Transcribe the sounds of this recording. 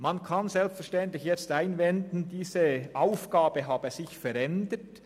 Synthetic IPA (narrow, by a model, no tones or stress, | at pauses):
mankʰansɛlpstfɛɐʃtɛnt̪lɪçjɛt͡staɪnvɛndn̩diːzəʔaʊfɡ̥aːbəɦaːbəsɪçfɛɾɛndət